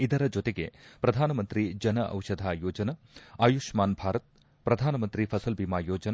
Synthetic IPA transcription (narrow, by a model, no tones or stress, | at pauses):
id̪ɐɾɐd͡ʒot̪eɡe̞̰pɾɐd̪ʱaːnɐmɐnt̪ɾid͡ʒɐnɐʔɐ̰wʂɐd̪ʱaːjoːd͡ʒɐnɐ | aːjuʂmaːnbʱaːɾɐt̪̚ | pɾɐd̪ʱaːnɐmɐnt̪ɾipʰɐsɐlbimaːjoːd͡ʒɐnɐ